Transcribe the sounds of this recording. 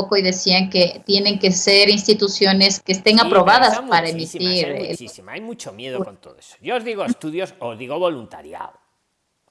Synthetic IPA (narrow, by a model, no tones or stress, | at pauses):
ko̞iðe̞siaŋke̞t̪je̞ne̞ŋke̞se̞ɾinst̪it̪usjo̞ne̞ske̞ːst̪e̞ŋapɾo̞βaðaspaɾaemit̪iɾḛisimaajmut͡ʃomjeðokont̪oðoeso̥joːzðiɣoest̪uðjosozðiɣoβo̞lunt̪aɾja̰ð